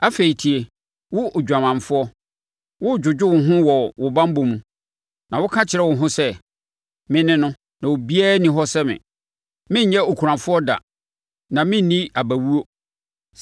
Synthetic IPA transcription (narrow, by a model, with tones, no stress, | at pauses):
a˦fe˨i˨tʰi˨e˨ | wʊ˦˨d͡ʑᶣa˨mã˨mfʊ˦ɔ˦ | wʊ˦˨d͡ʑᶣʊ˨d͡ʑᶣʊ˦wʊ˨ɦʊ̃˦wɔ˨wʊ˨bã˦m˦bo˨mũ˨ | nã˨wʊ˦kʰã˦t͡ɕʰɪ˨ɾɛ˦wʊ̃˨ɦʊ̃˦sɛ˦ | mɪ̃˦nɪ̃˦nʊ̃˦ | nã˨wo˨bi˦a˦nɪ̃˨ɦɔ˦sɛ˦mɪ̰̃˨ | mɪ̃˦ɲ̩˦ɲɛ˦o˨kʰu˨ɾã˨fʊ˦ɔ˦da̰˨ | nã˨mɪ̃˦n˨nĩ˦a˨bæ˨wu˦o˦